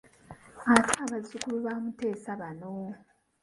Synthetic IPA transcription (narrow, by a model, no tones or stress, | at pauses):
atʰaːβazukuluβaːmute̞ːsaβano